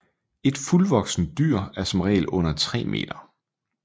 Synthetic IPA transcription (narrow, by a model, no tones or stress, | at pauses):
e̝d̥fulʋɒ̽ɡ̥sn̩d̥yɐ̰æɐsɒ̽mʁɛ̰ːlʔɔ̽n̰ɐt͡sʰʁɛ̰ːmʔe̝̰ːd̥ɐ